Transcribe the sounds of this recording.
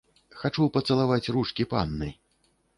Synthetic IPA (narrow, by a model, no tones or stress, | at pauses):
xat͡ʂupɐt̪sɐlˠavat͡sʲruʂkʲipa̰nːɨ̰j